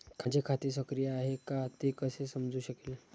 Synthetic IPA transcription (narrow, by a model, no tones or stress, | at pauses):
kʰad͡ʑekʰat̪es̬əkɾijəaɦekat̪ekəsesəmd͡zuːɕəkel